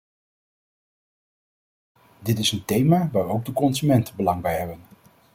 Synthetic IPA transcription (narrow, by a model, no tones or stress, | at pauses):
dɪtɪsəntejmaːʋaːɹowɡ̚dəkɔnzymɛntəbəlɑŋbajɦɛbən